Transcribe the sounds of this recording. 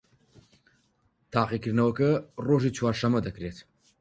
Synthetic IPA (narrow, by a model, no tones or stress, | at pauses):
t̪ʰaːqikiɾnɐwəkɐroʒit͡ʃʰwaːɾʃɐmɐd̪ɐkɾet̪ʰ